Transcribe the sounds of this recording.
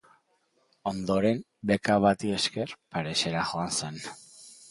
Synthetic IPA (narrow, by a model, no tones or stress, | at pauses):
o̞nd̪o̞ɾe̞m | be̞kaβat̪ie̞ske̞ɾpaɾe̞se̞ɾaxo̞anse̞n